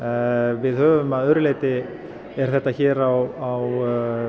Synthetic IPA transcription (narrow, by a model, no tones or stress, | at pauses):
vɪðhœːvʏmaðœɾʏleːjt̪ɪ | ɛɾ̥θɛht̪ːaçɛːɾawaw